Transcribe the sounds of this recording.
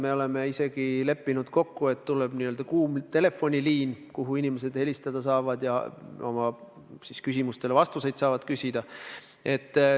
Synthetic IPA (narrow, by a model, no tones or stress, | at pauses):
me̞o̞le̞me̞ise̞ɡ̥ile̞pːinud̪̥ko̞kːue̞t̪t̪ːuleb̥niøld̪̥ɑkuːmt̪e̞le̞fːo̞nʲiliːnkuɦuinime̞s̬e̞d̪he̞lʲist̪ɑd̪̥ɑsɑːvɑd̪̥jɑo̞mɑ | siskys̬ʲimust̪e̞levɑst̪use̞jd̪̥sɑːvɑd̪̥kysʲid̪̥ɑ | e̞t̪ː